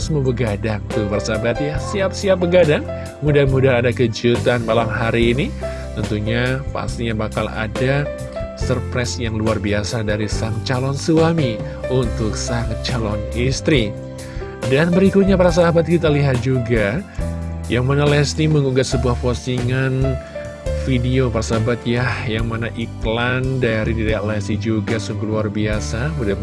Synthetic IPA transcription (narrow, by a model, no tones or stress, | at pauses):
smubəɡadaŋt̪upaɾasaɦabat̪̚jasiap̚siap̚bəɡadaŋ | mudahmudaadakəd͡ʒut̪anmalamɦaɾiːni | t̪ənt̪uɲapa̰st̪iɲabaka̰la̰da | sərpɾɛsjaŋluarbiasadaɾisaŋt͡ʃalɔnsuami | unt̪ʊksaŋt͡ʃalɔnist̪ɾi | danbəɾikʊt̪̚ɲapaɾas̬aɦabat̪̚kit̪aliɦat̪̚d͡ʒuɡa | jaŋmanalɛsniməŋuɡat̪̚səbuahfosiŋan | fideopaɾasaɦabat̪̚jahjaŋmanaʔiklandaɾidiɾaaʔlɛstid͡ʒuɡasuŋɡuluarbiasabuda